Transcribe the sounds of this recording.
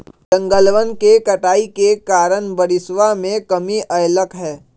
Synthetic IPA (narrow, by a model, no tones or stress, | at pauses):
ɖə̃ŋɡəlʋənkekɐʈaːikekaːɾənbəɾɪsʋamẽkəmiʔɐjləkɦɛː